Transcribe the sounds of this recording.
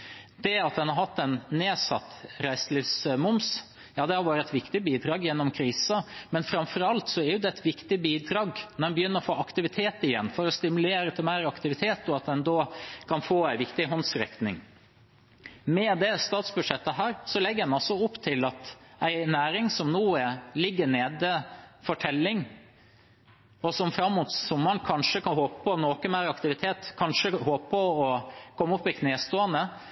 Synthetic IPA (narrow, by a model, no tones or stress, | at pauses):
d̪̥ɛɑt̪̚d̪ɛnhɑɾhɑt̪ːæɪnːeːsɑ̰t̪ːɾæɪslifsmʊms | jɑːd̪ɛhɑɾʋɑːɾəɛt̪ʋɪkt̪ɪbiːd̪ɾɑːɡjɛnːɔmkʰɾiːsɑmɛnfɾɑmfɔɾɑlt̪sɔɛɾjʊd̪ɛɛt̪ʰʋɪkt̪ɪbiːd̪ɾɑːɡnɔɾdɛnbəjʏnːəɾɔfoːʔɑkt̪ɪʋɪt̪ʰeːt̪ɪjɛnːfɔɾɔst̪ɪmʉleːɾət̪ʰɪlmæɪɾɑkt̪ɪʋɪt̪ʰeːt̪ɔɑt̪̚d̪ɛnd̪oːkʰɑnfoːæɪʋɪkt̪ɪɦɔnsɾɛ̰knɪ̰ŋ | mɛd̪ɛst̪ɑːt̪sbʉd̪ʂɛt̪ːəɦæːɾsɔlɛɡːəd̪ɛnɑlsɔʊpːt̪ʰɪlɑt̪æɪnæːɾɪŋsɔmnuːɛlɪɡːəɳeːd̪əfɔʈʰɛlːɪŋ | ɔsɔmfɾɑmːuːt̪sɔmːɑnkʰɑnʂəkɑnɦoːpəpʰɔnoːkəmæɪɾɑkt̪ɪʋɪt̪ʰeːt̪kʰɑnʂəhoːppɔɔkʰɔmːʊpːɪkʰneːst̪oːənd̪ə